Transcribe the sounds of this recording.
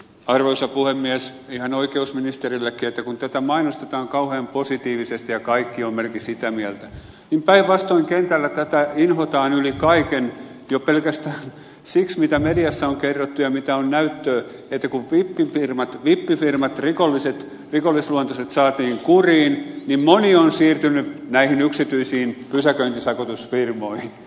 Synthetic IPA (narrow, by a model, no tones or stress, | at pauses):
ɑrʋoisjɑpuhemːiæs | ihɑnoikeusminist̪erilːækːiet̪ːækunt̪æt̪æmɑinost̪et̪ɑːŋkɑuheːmposit̪iːʋisest̪ijɑkɑikːiommelkisit̪æmiælt̪æ | nimpæiʋʋɑst̪oiŋkent̪ælːæt̪æt̪æinhot̪ɑːnylikɑiken | jopelkæst̪æːn | siksmit̪æmediɑsːæoŋkerːot̪ːujɑmit̪æonnæyt̪ːøː | et̪ːækuʋʋipːifirmɑt̪ʋipːifirmɑt̪rikolːiset̪ | rikolːˑisluont̪ɑset̪sɑːt̪iːŋkuriːnnimmonionsiːrt̪ynːynæihinyksit̪yisiːnpysækøint̪isɑkot̪usfirmoihin